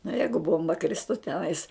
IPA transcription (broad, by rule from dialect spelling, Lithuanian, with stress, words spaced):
nʊ ˈjɛɪɡʊ ˈboːmbɐ ˈkrʲɪstʊ tʲɛˈnɐɪs